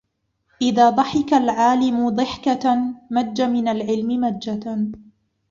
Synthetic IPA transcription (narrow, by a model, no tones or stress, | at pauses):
ʔɪðaːd̪ˤɑħɪkalʕaːlɪmʊd̪ˤɨħkamad͡ʒːamɪnalʕɪlmɪmad͡ʒːa